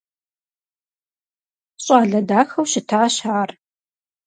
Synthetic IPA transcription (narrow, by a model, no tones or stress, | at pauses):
ɕʼaːɮɐdaːxɐwɕɪtʰaːɕaːr